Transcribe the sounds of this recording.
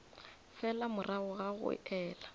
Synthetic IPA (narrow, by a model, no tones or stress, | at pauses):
fɛlamʊrʔaʊɣaɣʊ̰ɛːla